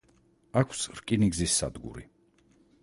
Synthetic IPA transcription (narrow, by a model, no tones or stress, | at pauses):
akʰsɾkʼiniɡzisːa̰d̪ɡṵɾḭ